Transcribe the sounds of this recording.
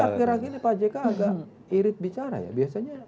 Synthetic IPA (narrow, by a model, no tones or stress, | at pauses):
aəɾakinipad͡ʒɛkaːɡa | iɾɪt̪̚bit͡ʃaɾa̰ja̰biasaɲa